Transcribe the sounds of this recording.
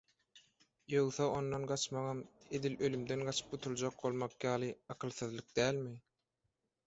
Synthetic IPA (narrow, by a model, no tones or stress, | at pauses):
jowθɑonːonɢɑt͡ʃmɑʁɑme̞d̪ilølymd̪enɢɑt͡ʃʰɯ̥p̚ut̪ʰulˠd͡ʒɑq̚bo̞lˠmɑqjɑːlˠɯɑqʰɯlˠθɯðlˠɯk̚d̪æːlmi